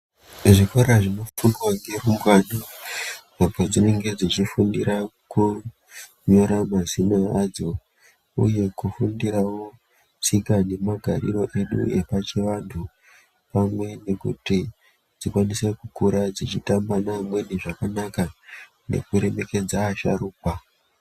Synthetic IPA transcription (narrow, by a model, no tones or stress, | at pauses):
ʐikoɾaʐino̞funwaŋɡe̞rumɡwana | akwad͡zine̞ŋɡe̞d͡zit͡ʃifundiɾa | ku | ɲo̞ɾamazinaad͡zo̞ | ṵje̞kufundirawo̞ | t͡sikane̞maɡʱaɾḭro̞ʔe̞ɗṵe̞pat͡ʃeʋantʰu | pamwe̞ne̞kṵti | d͡zikwanisekukuɾad͡zit͡ʃitambanamwe̞ne̞ʐakanaka | ne̞̰kuɾe̞me̞ke̞d͡zaːʃa̰ɾuːpa